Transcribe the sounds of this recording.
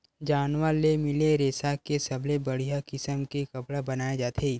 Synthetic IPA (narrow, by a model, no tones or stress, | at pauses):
d͡ʒaːnʋalemɪleɾeːsakesɐbʱlebɐɽ̤ijakɪsəmkekɐpɽabɐnaːed͡ʒaːt̪ʰe